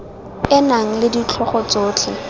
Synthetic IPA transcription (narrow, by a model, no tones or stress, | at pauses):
ɪnaŋ̩lɪdit͡ɬʰɔχɔt͡soːtʰɛ̰